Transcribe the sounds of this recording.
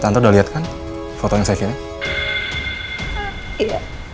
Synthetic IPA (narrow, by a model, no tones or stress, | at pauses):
t̪ant̪odaliat̪̚kan | fot̪ojaŋsajakiɾɪ | iɡa̰